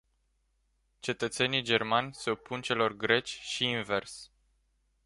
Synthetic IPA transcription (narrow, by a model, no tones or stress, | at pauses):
t͡ʃe̞t̪ət̪se̞nid͡ʒe̞rmanʲse̞o̞pʰːunt͡ʃe̞lo̞rɡɾe̞t͡ʃʲʃiːnve̞rs